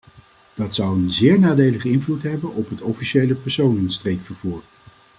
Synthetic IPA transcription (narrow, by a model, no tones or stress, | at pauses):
d̥ɑtsʌwənzɪːɹnaːdejləχəɪnvlutɦɛbənɔpɦətɔfiʃejləpɛɹsownənstrejkfəɹvuːɹ